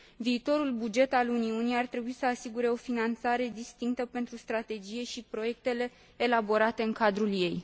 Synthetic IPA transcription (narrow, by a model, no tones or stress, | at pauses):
viːt̪o̞ɾulbud͡ʒe̞t̪aluniunijart̪ɾe̞buisəasiɡuɾe̞o̞finant̪saɾe̞d̪ist̪iŋkt̪əpe̞nt̪ɾust̪ɾat̪e̞d͡ʒije̞ʃipɾo̞je̞k̚t̪e̞le̞ː | labo̞ɾat̪e̞ɨŋkad̪ɾulje̞j